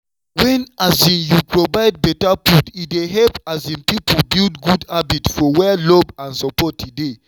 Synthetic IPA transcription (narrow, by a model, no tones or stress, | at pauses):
wɛ̃nazĩnjupɹɔvaɪd̚bɛtapudideɦɛlpazĩnpiplbildɡudabitfɔwɛlobãnsɔpɔtʰːide